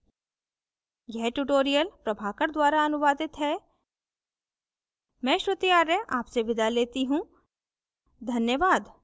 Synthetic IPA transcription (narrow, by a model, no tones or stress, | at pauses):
ɡɛʈuʈoːɾijəlpɾɐbʱaːkəɾd̪waːɾaɐnʊʋaːd̪ɪt̪ɦɛ | mɛ̃ːʃɾʊt̪ijaːɾːɛaːpseʋɪd̪aleːt̪iɦũ | d̪ʱɐnjəʋaːd̪